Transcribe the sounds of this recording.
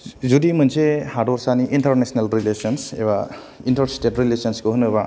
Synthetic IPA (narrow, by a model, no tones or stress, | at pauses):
zudimɯnsehadɔɾsaniʔintɐɾnesnelɾilesɔnsḛba | intɐɾstetɾilesɔnsɡoɦunɯβa